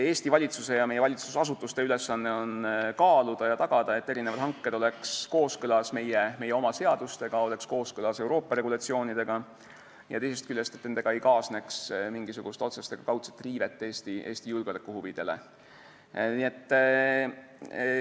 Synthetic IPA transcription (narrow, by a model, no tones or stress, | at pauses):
e̞ːst̪ivɑlʲit̪suse̞jɑme̞jeɑlʲit̪susɑs̬ut̪ːˑust̪e̞yle̞sːɑnːe̞o̞nkɑːlud̪̥ɑjɑt̪ɑɡ̥ɑd̪̥ɑe̞t̪ːe̞ɾinevɑd̪hɑŋkːe̞d̪o̞le̞ksko̞ːskɤlɑsme̞jeme̞jːeo̞mɑse̞ɑd̪̥ust̪e̞ɡ̥ɑo̞le̞ksko̞ːskɤlɑse̞wɾo̞ːpːˑɑɾe̞ɡ̥ulɑt̪sio̞ːnid̪̥e̞ɡ̥ɑ | jɑ̰t̪e̞js̬e̞st̪kylʲːest̪et̪ned̪eɡɑe̞jkɑːsne̞ksmiŋɡ̥isuɡ̥ust̪o̞t̪sest̪e̞ɡ̥ɑkɑwt̪se̥t̪ːˑriːve̞t̪ːˑeːst̪iʔe̞ːsʲt̪ijulɡ̥lekːˑuhuvid̪̥e̞le̞̰ | nie̞t̪ː